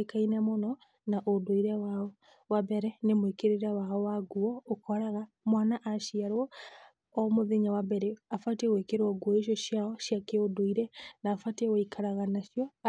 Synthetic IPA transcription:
ekainamonɔ | naʔodoiɾɛwaɔ | wabɛɾɛnemwekeɾeɾawaɔwaɡuɔokɔɾaɣa | mwanaʔaʃiaɾwɔː | moðeɲawabɛɾɛafatewekeɾwɔɡuɔeʃ̬jɔʃjaɔʃjakeodoiɾɛnaːfateoikʰaɾaɣanaʃjɔ

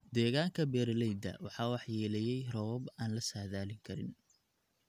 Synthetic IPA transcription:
d̪ɛːɣaːŋkʰɐbɛːrlɛjd̪ɐ̰wɑħɑːwɑħjɛːlɛjɛjrɔwɔbaːnlɐsaːðaːlɪŋkʰɐɾɪ̰n

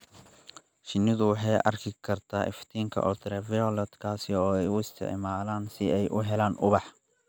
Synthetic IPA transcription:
ʃɪnːɪðʊwɑħɑjʔɐ̰rkʰɪkʰɐrt̪ʰaːʔɪ̰ft̪ʰiːŋkʰɐ̰ʔɔt̪ʰɾɛvɪɔlɛd̪kʰaːsɪɔːɛjʊɪst̪ʰɪ̰ʕmaːlaːnsɪɛjʔʊɦɛlaːnʔʊβɑħ

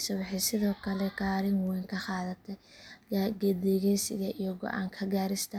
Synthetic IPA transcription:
sɐwɪħɪsɪðɔːkʰɐlɛkaːɾɪnwɛjŋkʰɐxɑːðɐt̪ʰɛ | ɡɛd̪ɛːɣɛnsɪðɛʔijɔɡɔ̰ʔa̰ːŋkʰɐɡaːɾɪst̪ʰɐ

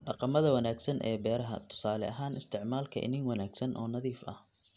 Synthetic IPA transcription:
ɖɑqɑmɐðɐwɐnaːɡsɐnʔɛ̰ːbɛːɾɐɦɐ̰t̪ʰʊ̥saːlɛ̰ʔɐɦaːnɪst̪ʰɪʕmaːlkʰɐʔɪ̰nɪŋwɑnaːɡsɐnʔɔːnɐðiːfɐ̰h

